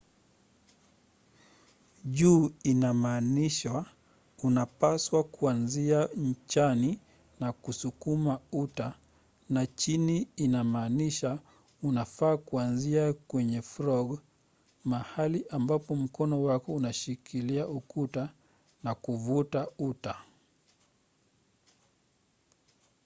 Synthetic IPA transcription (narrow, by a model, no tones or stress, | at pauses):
ʄuːinamaːniʃa | unapaswakuanziaɲ̩t͡ʃani | nakusukumauta | nat͡ʃiniːnamaːniʃa | unafaːkuanziakwɛɲɛfɾɔɡ | mahaliʔambapɔm̩kɔnɔwakɔunaʃikʰiliaʔukuta | nakuvutauta